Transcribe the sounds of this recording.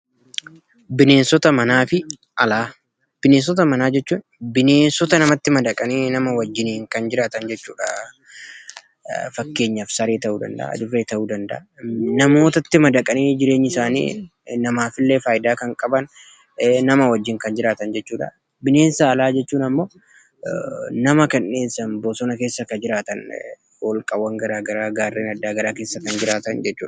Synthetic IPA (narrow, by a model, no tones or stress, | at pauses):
bɪne̞ːnsɔt̪ɐmɐnaːfɪ | ʔɐlaː | b̥ɪneːns̬ɔt̪̬ɐmɐnaːd͡ʒɛt͡ʃːuːnbɪne̞ːnsɔt̪ɐnɐmɐt̪ːɪmɐd̪ɐkʼɐniːnɐmɐwɐd͡ʒːɪniːŋkɐnd͡ʒɪɾaːt̪ɐnd͡ʒɛt͡ʃːuːᶑɐ | fɐkːe̞ːɲːɐfsɐɾeːt̪ɐʔuːd̪ɐ̰nd̪ɐ̰ʔa̰ːd̪ʊɾeːt̪ɐʔuːd̪ɐnd̪ɐ̰ʔa̰nɐmo̞ːt̪ɐt̪ːɪmɐd̪ɐkʼɐniːd͡ʒɪɾe̞ːɲːɪsaːnḭː | nɐmaːfɪlːeːfaːjɪd̪aːkɐŋkʼɐbɐn | nɐmɐwɐd͡ʒːɪŋkɐnd͡ʒɪɾaːt̪ɐnd͡ʒɛt͡ʃːuːᶑɐ̰ | bɪne̞ːnsɐːlaːd͡ʒɛt͡ʃːuːnɐmːo̞ː | nɐmɐkɛnːe̞ːnsɐnboːsɔnɐke̞ːsːɐkɐd͡ʒɪɾaːt̪ɐn | wɐlkʼɐwːɐŋɡɐɾaːɡɐɾaːɡaːrːeːnɐd̪ːaːɡɐɾaːke̞ːsːɐkɐnd͡ʒɪɾaːt̪ɐnd͡ʒɛt͡ʃːuːᶑ